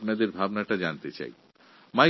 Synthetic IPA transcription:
pnad̪eɾbʱabnaʈad͡ʑant̪et͡ɕa̰j | ma

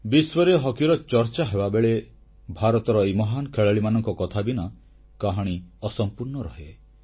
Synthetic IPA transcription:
biswɔɾeɦɔkiɾɔt͡ʃɔɾt͡ʃaɦebabeɭe | bʱaɾɔt̪ɔɾɔejmɔɦankʰeɭeɭimanɔŋkɔkɔt̪ʰabina | kaɦɔɽ̃iɔsɔmpuɾnɔɾɔɦe

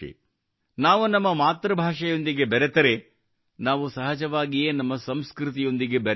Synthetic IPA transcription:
ḭ | naːʋunɐmːɐmaːt̪ɾɐbʱaːʂɐjo̞nd̪iɡe̞bɐɾet̪ɐɾe̞ | naːʋusɐɦɐd͡ʒɐʋaːɡijeːnɐmːɐsɐmskɾut̪̬ijo̞nd̪iɡe̞bɐɾ

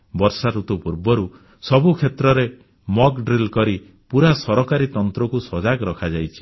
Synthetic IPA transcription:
bɔɾsaɾut̪upuɾbɔɾu | sɔbukʰet̪ɾɔɾe | mɔkɖɾilkɔɾi | puɾasɔɾɔkaɾit̪ɔnt̪ɾɔkusɔd͡ʒaɡɔɾɔkʰad͡ʒajt͡ʃʰi̥

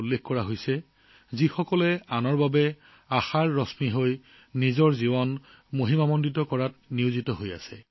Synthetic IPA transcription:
ulːexkɔɹaɦojsɛ | zixɔkɔlɛanɔɹbabɛ | axaɹːɔsmiɦoj | nizɔɹzibɔn | moɦimamɔnditɔkɔɹat̚niʊzitɔɦoja̰sɛ̰

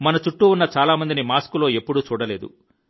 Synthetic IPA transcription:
mɐnɐt͡ʃuʈːuunːɐt͡ʃaːlaːmɐnd̪inimaːskulo̞ːe̞pːuɽut͡ʃuːɽɐle̞ːd̪ṵ

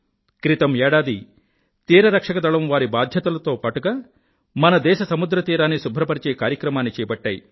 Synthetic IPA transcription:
kɾit̪ɐmɛːɽaːd̪i | t̪iːɾɐɾɐkʂɐkɐd̪ɐɭɐmʋaːɾibaːd̪ʱjɐt̪ɐlɐt̪o̞ːpaːʈuɡaː | mɐnɐd̪ɛːʃɐsɐmud̪ɾɐt̪iːɾaːnisubʱɾɐpɐɾit͡ʃeːkaːɾjɐkɾɐmaːnːit͡ʃɛːbɐʈːaːji

